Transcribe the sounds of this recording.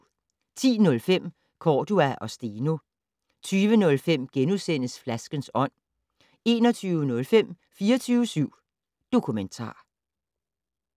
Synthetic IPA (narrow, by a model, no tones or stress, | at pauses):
t͡sʰḭːnɔ̽lfem̰ | kʰɒːd̥uæʔɒ̽sd̥iːno̝ | t͡sʰyːʋənɔ̽lfem̰ɡ̥enusen̰əsflæsɡ̥ənsɒ̽n̰ | e̝̰ːnɒt͡sʰyːʊənɔ̽lfem̰ | fiːɐt͡sʰyːʋəsyʊ̰ | d̥o̝kʰument͡sʰɑ̰̈ː